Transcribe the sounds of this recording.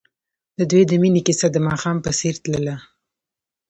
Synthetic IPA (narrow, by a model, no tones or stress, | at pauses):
d̪əd̪wed̪əminikɪsad̪əmɑxɑmpəseɾt̪ləla